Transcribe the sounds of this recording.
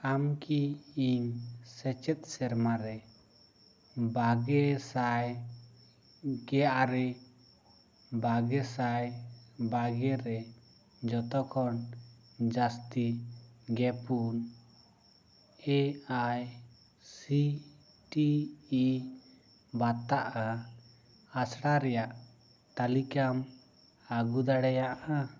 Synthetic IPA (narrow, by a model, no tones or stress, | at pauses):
amkʰiiɲsɛt͡ʃɛt̪̚ˀsɛɾmaɾɛ | baɡɛsaj | ɡɛʔaɾɛ | baɡɛsajbaɡɛɾɛ | d͡ʒɔt̪ɔkʰɔn | d͡ʒast̪iɡɛpun | ɛaj | si | ʈiː | bat̪aʔa | asɽaɾɛjaʔ | t̪alikam | aɡud̪aɽɛjaʔa